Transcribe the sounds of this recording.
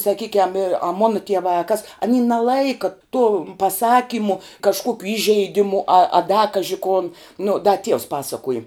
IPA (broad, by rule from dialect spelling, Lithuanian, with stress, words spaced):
sɐˈkʲiːkʲɛm ɪr ɐ ˈmoːnɐ tʲiɛˈʋɑː ɐ kɐs ɐˈnʲiː nɐˈlˠɐɪkɐ toːm pɐˈsɑːkʲiːmʊ kɐʃˈkuɔkʲʊ ˈiːʒʲɛɪˌdʲɪmʊ ɐ ɐ dɐ ˈkɑːʒʲɪ koːn nʊ dɐ ˈtʲiɛʊs ˈpɑːsɐkuɔjɪ